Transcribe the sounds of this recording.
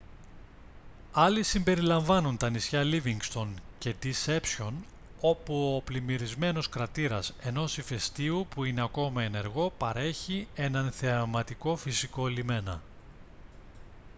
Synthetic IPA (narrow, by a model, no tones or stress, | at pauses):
ɐlisimbe̞ɾilɐɱvɐnunt̪ɐnisçɐliviŋɡst̪o̞nce̞d̪ise̞psço̞n | o̞puoplimiɾizme̞no̞skɾɐt̪iɾɐse̞no̞sife̞st̪iupuine̞ɐko̞mɐe̞ne̞ɾɣo̞pɐɾe̞çie̞nɐnθemɐt̪iko̞fisiko̞elime̞nɐ̰